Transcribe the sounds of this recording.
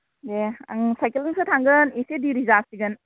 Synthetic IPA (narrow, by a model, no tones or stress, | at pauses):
dea̰ŋsajkelɯŋsɯtʰaŋɡɯnesediɾizasiɡən